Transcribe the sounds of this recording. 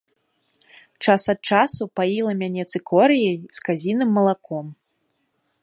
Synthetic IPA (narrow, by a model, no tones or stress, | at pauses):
t͡ʂasɐt̪̚t͡ʂasupailˠɐmʲanʲɛt̪sɨkʰɔɾɨjɐjskazʲinɨmːɐlˠakʰɔm